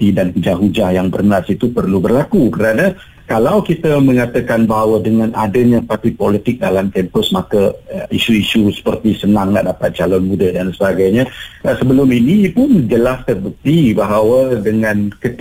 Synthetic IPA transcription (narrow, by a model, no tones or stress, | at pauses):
t̪idankud͡ʒaɦud͡ʒahjaŋbərnasit̪upərlubərlakukəɾana | kalawkit̪əmə̃ŋat̪əkanbaɦawədəŋãnadəɲapat̪ipɔlit̪ɪk̚dalamt̪ɛmpəsmakəisuisusə̥pərt̪isənaŋna̰ʔdapat̪̚t͡ʃalɔnmudədansəbaɡajɲasəbəlʊminipʊnd͡ʒəlast̪ərbət̪ibaɦawədəŋãnkət̪